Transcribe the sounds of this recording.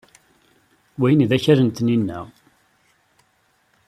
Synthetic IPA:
wæjnðæçəɾənt̪ninːæ̰ʁ

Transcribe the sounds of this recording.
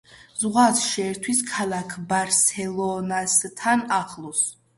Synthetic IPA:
zʁwasʃɛːɾt̪ʰwiskʰalˠakʰbaɾsɛlˠɔnast̪ʰanaχlˠɔs

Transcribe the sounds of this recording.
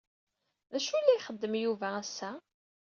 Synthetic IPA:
ðæʃulːæjχəd̪ːəmjuvææsːæ

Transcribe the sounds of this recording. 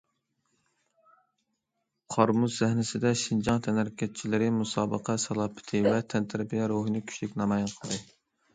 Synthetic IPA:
qʰɑɾmuzzæhnɪsɪd̪ɛʃind͡ʒɑŋt̪ʰɛnæɾkʲɛt̪̚t͡ʃʰilɪɾɪmusɑːbəqʰɛsɛlˠɑːpʰɪ̥t̪ʰɨvɛt̪ʰɛnt̪ʰɪɾpijɑɾoɦɨnɨkʲʰy̥ʃlɪkʲnɑmɑjɑnqʰəlˠd̪ɨ

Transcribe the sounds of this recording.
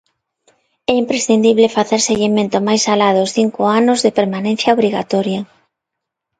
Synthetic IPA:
ɛimpɾesθind̪iβlefaθeɾseɣimẽnt̪ʊmajsalaðʊʊsθiŋkʊanʊzðepeɾmanẽn̟θjɐoβɾiɣa̰t̪ɔɾjɐ

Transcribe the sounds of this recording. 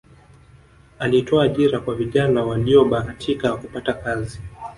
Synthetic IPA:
alitʰɔaːʄiɾakwaviʄanawaliɔɓakatʰikakupatakazi

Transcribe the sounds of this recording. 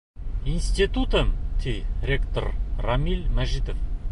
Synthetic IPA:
inst̪it̪ut̪əmt̪ʰejrʲekt̪o̰rramilmæʒid̪of

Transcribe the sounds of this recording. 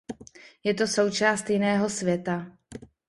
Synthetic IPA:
jɛt̪o̞so̞wt͡ʃaːst̪jɪnɛːɦo̞svjɛt̪a

